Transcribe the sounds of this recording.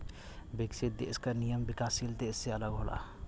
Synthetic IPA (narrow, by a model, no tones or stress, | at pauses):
bɪksit̪̚d̪ḛɪskəɾnijəmbɪkaːsilt̪eɪsːeɐləɡɦolʔa̰